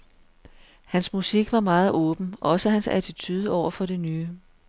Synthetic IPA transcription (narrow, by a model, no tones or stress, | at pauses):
hænsmusiɡ̥ʋɑ̈mɑ̈ːð̞̩ˠɔ̽ːb̥n̩ʔɒ̽səhænsæ̰t͡sʰit͡sʰyð̞ˠəɒʊ̰ɐfɒ̽ɾe̝nyː